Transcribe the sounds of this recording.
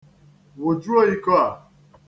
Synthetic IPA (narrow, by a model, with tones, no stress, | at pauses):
wo˨d͡ʒu˦o˦i˦kɔ˦a˨